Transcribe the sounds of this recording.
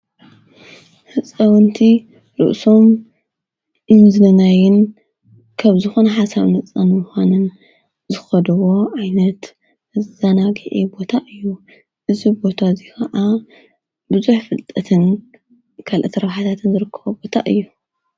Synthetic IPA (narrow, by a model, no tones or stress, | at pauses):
hɨt͡sʼɐwɐnt̪ʰi | ɾɨ̰ʔso̞m | ɨnzɨlɐnajɪn | kʰɐβzɨxonɐħasaβnɐt͡sʼːɐnmʊxanɨn | zɨxɐd̪ɨwo̞ʕajnɐt̪ | ɨzɐnaɡɨʕibo̞t̪ʰaʔɨjːu | ʔɨzibo̞t̪ʰazikʰɐʔa | bɨzuħfɨlt̪ʼɐt̪ʰɨn | kʰalʔɐt̪ʰɾɐβħat̪ʰat̪ʰɨnzɨɾɨkʰːɐβobo̞t̪ʰa̰ʔɨjːu